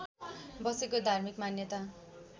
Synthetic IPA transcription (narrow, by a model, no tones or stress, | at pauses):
bʌsekod̪ʱarmikmanjʌt̪a